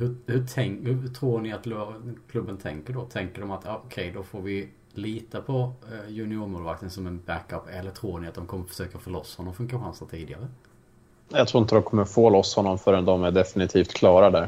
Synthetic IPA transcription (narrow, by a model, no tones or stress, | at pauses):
hɵhɵtʰɛŋhɵt̪ʰɾuːɳɪat̪lkʰlɵbːənt̪ʰɛ̰ŋkəɖɔt̪ʰɛŋkəɖɔmat̪jɑːʔɔkʰɛjd̪ɔfoːɾvɪ | liːt̪apʰɔjɵnɪuɾmoːlvak̚t̪ənsɔmɛnbækœpːɛlːəʈ̪ʰɾuːɳɪat̪̚d̪ɔmkʰɔmːəɾfœ̥ʂøːkafɔɭɔsːhɔnːɔmfɵŋkaɧansat̪ʰiːd̪ɪɡaɾə | jat̪ʰɾuːɪnt̪əd̪ɔmkʰɔmːəfoːlɔsːhɔnːɔmfœːɾɛnd̪ɔmæɖɛfɪnɪt̪ʰiːft̪kʰlɑːɾad̪æɾ